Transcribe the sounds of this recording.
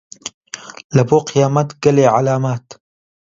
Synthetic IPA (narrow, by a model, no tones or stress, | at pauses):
lɐboːqɪjaːmat̪ɡɐleːʕalaːmaːt̪